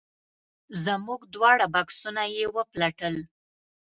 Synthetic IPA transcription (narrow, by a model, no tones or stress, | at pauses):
zəmuɡd̪wɑɽabɑksunajewəplaʈəl